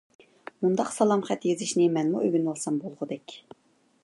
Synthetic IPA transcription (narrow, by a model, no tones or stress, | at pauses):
mund̪ɑqsɑlˠɑmχɛt̪jezɪʃnɪmɛnmuʔøɡʲynwɑlˠsɑmbolˠʁʊd̪ɛkʲ